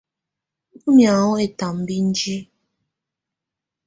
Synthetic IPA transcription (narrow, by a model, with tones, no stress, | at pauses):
u˦mja˨ʊ˦e˦ta˨m̩˦bi˦n̩˦d͡ʒi˦